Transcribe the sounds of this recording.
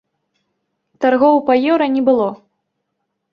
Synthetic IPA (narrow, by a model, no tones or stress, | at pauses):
t̪arɣɔwpɐjɛɾɐnʲɛbɨlˠɔ